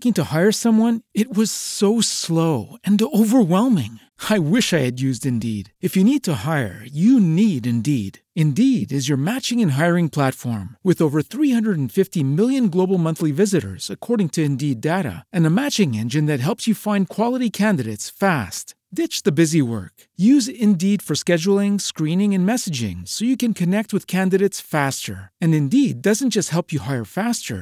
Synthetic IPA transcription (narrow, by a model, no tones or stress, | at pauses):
kɪ̃ŋtɨhaɪə˞sʌ̃mwʌ̃nɨt̚wʌz̥soʊsloʊɨ̃noʊvə˞wɛlˠmɪ̰̃ŋ | aɪwɪʃaɪɨdjʉzdɨ̃ndḭɾɨfjɨnid̚tʰəhaɪə̰˞jɨniɾɨ̃ndiɾ | ɨ̃ndiɾɨzjə˞mæt͡ʃɪ̃ŋɨ̃nɦaɪə˞ɪ̃ŋpʰl̥ætfɔ̰ɹmwɨðoʊvə˞θɹihʌ̃ndɹəɾn̩fɪftimɪlˠjɨ̃nɡloʊbl̩ˠmʌ̃nθlivɪzɨɾə̰˞z̥ɨkʰɔɹɾɪ̃ŋtʰɨɨ̃ndideɾɨ̰ɨ̃nəmæt͡ʃɪ̃ŋɛ̃nd͡ʒɨ̃nðɨt̚ɦɛlˠpsjɨfãɪ̃nkʰw̥ɑlˠəɾikʰæ̃ndɨɾeɪtsfæst | d̥ɪt͡ʃðɨbɪziwɜ̰˞k | jʉzɪ̃ndid̥fə˞skɛd͡ʒl̩ˠɪ̃ŋskɹĩnɪ̃ŋɨ̃nmɛsɨd͡ʒɪ̰̃ŋsoʊjɨkɨ̃nkʰɨnɛk̚t̚wɨð̥kʰæ̃ndɨɾeɪtsfæstə̰˞ɨ̃nɨ̃ndid̚ʌz̃n̩d̥ʒ̥ʌst̚hɛlˠpjɨhaɪə˞fæstə̰˞